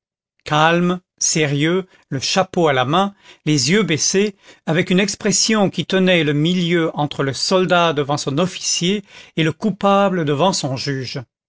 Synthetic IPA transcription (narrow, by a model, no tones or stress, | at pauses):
kalm | seʁjø | ləʃapoalamɛ̃lezjøbɛseavɛkynɛkspχɛsjɔ̃kʲit̪ənɛləmiljøʔɑ̃t̪χələsɔld̪ad̪əvɑ̃sɔ̃nɔfi̥sjeːləkupabləd̪əvɑ̃sɔ̃ʒyːʒ